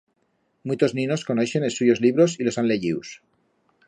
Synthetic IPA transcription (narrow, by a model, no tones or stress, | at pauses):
mut̪o̞znĩno̞skonoʃenesuʝo̞zliβ̞ɾo̞silo̞sanle̞ʝiws